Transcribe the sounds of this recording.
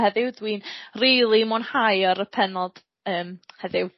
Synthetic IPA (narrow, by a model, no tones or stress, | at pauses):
hɛðɪwdwiːnriːlˠimɔnhajɔɾəpʰɛnɔd̥ | əːmhɛðɪw